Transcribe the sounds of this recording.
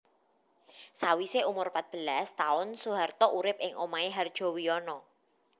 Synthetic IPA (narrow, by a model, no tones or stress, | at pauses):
sawiseumʊrpat̪̚b̥ə̤last̪aʊnsuɦart̪ɔʔuɾɪp̚ɪŋomaeɦard̥ʒ̥ɔ̤wiɔnɔ